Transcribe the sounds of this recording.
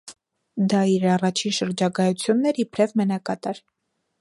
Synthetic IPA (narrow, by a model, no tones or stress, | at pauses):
d̪ɑiɾɑrɑt͡ʃʰinʃəɾd͡ʒɑɡɑjut͡sʰjunːɛɾipʰɾɛvmənɑkɑt̪ɑɾ